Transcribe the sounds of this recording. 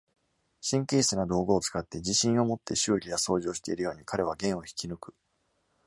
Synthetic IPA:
ɕĩŋkʲiːsɨnad̪o̞ːɡo̞ːt͡sɨ̥kat̪ːe̞d͡ʑiɕĩɰ̃o̞mo̞t̪ːe̞ɕɨːɾʲijaso̞ːʑo̞ːɕi̥t̪e̞iɾɯ̟jo̞ːɲ̟ikaɾe̞β̞aɡẽ̞ɰ̃o̞çi̥kʲinɯ̟kɯ̟̥

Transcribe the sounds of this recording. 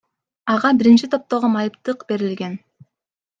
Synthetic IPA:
ɑʁɑbiɾint͡ʃit̪ʰo̞p̚t̪o̞ʁomɑjɯpt̪ɯqbe̞ɾilɡe̞n

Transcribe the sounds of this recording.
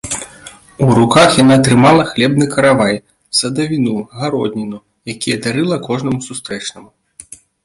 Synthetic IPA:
uɾukaxjanaːt̪ɾɨmalˠɐxlʲɛbnɨkɐɾavaj | sɐd̪ɐvʲinuɣaɾɔd̪ʲnʲinu | jakʲijɐd̪aɾɨlˠɐkɔʐnɐmusust̪ɾɛt͡ʂnɐmu

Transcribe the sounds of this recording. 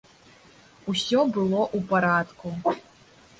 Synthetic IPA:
usʲɔbɨlˠɔʔupaɾat̪ku

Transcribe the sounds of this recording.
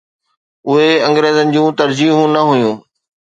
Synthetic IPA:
ʊɦeɐ̃ŋɡɾeːzənɪ̆d͡ʑũːt̪ɐɾd͡ʑiːɦũnɐɦʊjũː

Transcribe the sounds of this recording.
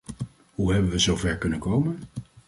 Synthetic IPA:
ɦuɦɛbənʋəzowvɛɹkɵnənkowmən

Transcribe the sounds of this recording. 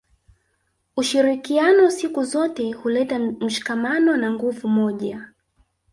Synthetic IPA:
uʃiɾikianɔsikuzɔtɛhulɛtam̩ʃi̥kamanɔnaŋɡuvumɔʄa

